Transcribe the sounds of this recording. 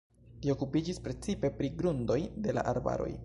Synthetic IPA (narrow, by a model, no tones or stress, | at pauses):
lio̞kupid͡ʒispɾe̞t͡sipe̞pɾiɡɾundo̞jde̞la̰ʔaɾba̰ɾo̞̰j